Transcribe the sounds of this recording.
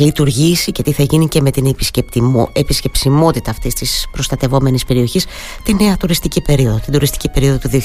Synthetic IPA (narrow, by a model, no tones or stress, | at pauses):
lit̪uɾʝisicet̪iθɐʝinice̞me̞t̪inepiscept̪episce̞psimo̞t̪it̪ɐːft̪ist̪ispɾo̞st̪ɐt̪e̞vo̞me̞nispe̞ɾio̞çis | t̪ine̞ɐt̪uɾist̪icipe̞ɾio̞ðot̪ind̪uɾist̪i̥cipe̞ɾio̞ðo̞t̪uðio